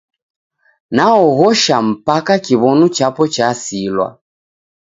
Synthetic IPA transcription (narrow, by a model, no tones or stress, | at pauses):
naɔɣɔʃam̩pakakiβɔnut͡ʃapɔt͡ʃasilwa̰